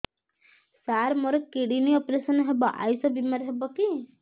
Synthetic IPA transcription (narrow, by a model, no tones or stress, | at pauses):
saɾmɔɾekeɽiniɔpɾesənɦebɔʔa̰jsɔbimaɾɦebɔki